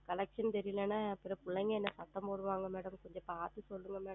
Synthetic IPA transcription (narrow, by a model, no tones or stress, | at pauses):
kɐlɐkʂɐnt̪ɛɾɪjɪlɛnːaːɐpːɪɾɐpʊɭːɐŋɡɐɛnːɐsɐt̪ːɐmpoːɽɯʋaːŋɡɐmeːɽɐmkɔɲd͡ʒɐ̃paːt̪ːɯsɔlːɯŋɡɐmeːɐm